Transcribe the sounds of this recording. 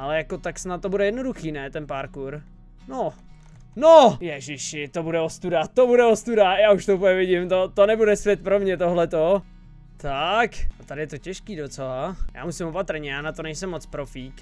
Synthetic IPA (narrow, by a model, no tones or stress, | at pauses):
ʔalɛjakot̪aksnat̪̚ːobudɛjɛdno̞duxiːnɛt̪ɛnpaɾkuɾ | no | nojɛʒɪʃɪt̪obudɛost̪udat̪obudɛost̪udajaːuʃt̪oupəɲɛvɪɟɪmt̪ot̪onɛbudɛsvʲjɛt̪̚pɾo̞mɲɛt̪oɦlɛt̪o | t̪akat̪adɪjɛt̪o̞cɛʃkiːdot͡sɛlaja̰ːmusɪmopat̪r̩ɲɛjaːnat̪onɛjsɛmːot͡spɾofiːk